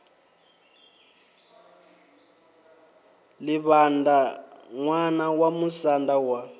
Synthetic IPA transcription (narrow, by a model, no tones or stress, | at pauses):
lɪβandaŋwanawamusandawa